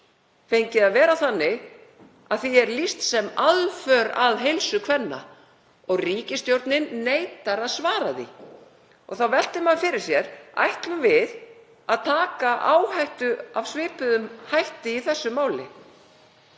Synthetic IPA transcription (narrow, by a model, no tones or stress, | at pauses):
fejɲcɪaðvɛːɾaθanːɪ | aðθiɛɾlist̪sɛmaðfœɾaðɦejlsʏkʰvɛnːa̰ | ɔɣriːcɪst̪jowɾt̪nɪnːejt̪aɾaðsvaːɾaðḭ | ɔ̰ɣθawvɛl̥t̪ɪmanfɪɾɪɾ̥sjɛɾa̰jht̪lʏmvɪð | aðt̪ʰaːkaʔaːwhajht̪ʏavsvɪːpʏðʏmhajht̪ɪiθɛsːʏmaːwlɪ̰